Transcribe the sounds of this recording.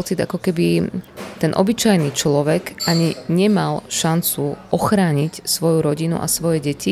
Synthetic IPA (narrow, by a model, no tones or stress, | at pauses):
t͡sid̪a̰kɔkɛbit̪ɛnʔɔ̰bit͡ʃajnit͡ʃlɔʋɛkaɲiɲɛmalʃant͡suʔɔxɾaːɲicsʋɔjuɾɔɟinṵʔa̰sʋɔjɛɟɛci